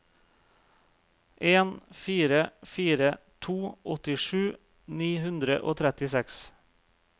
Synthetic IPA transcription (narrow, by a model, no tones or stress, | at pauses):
ʔeːnfiːɾəfiːɾət̪ʰuːʔɔt̪ɪʃʉː | niːhʉnd̪ɾə̰ʔo̰ːt̪ʰɾɛt̪ɪsɛks